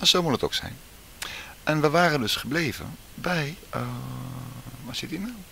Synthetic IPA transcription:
asowmutəto̰ksɛ̰jn | ʔɛnʋəʋaːrəndøsχəbleːvə̰n | bɛj | ʋɔsɪtina

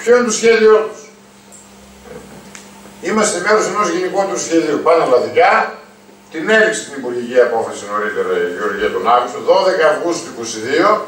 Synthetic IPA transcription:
pçoint̪osçe̞ðio̞t̪u̥s | imɐst̪e̞meɾose̞nozʝeniko̞t̪usçe̞ðiopɐnɐlɐðikɐ | t̪ine̞ɾikse̥st̪inipuɾʝiciɐpo̞fɐsino̞ɾit̪e̞ɾɐʝio̞ɾʝiɐt̪o̞nɐɣust̪oðo̞ðe̞kɐːvɣust̪uiko̞siðio̞

